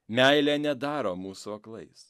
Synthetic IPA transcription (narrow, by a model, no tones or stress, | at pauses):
mʲæˑɪlʲænʲɛd̪ɑːɾoːmuːsuɐklˠɐɪs